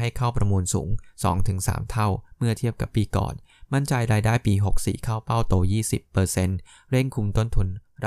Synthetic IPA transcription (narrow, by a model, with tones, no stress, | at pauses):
a˥˩jkʰa˥˩wpɾa˧muː˧nsṵː˩˦ŋsɔ̰ː˩˦ŋt̪ʰɯ˨˩˦ŋsa̰ː˩˦mt̪ʰa˥˩wmɯ˥˩ɐt̪ʰi˥˩əp̚ka˨˩pːiː˧kɔ̰ː˨˩n | ma˥˩nt͡ɕa˧jɾaː˧jdaː˥˩jpiː˧ɦo˨˩k̚sḭː˨˩kʰaː˥˩wpa˥˩wt̪oː˧jiː˥˩sḭ˨˩pːɤː˧se˧n | ɾe˥˩ŋkʰu˧mt̪o˥˩nt̪ʰu˧nɾ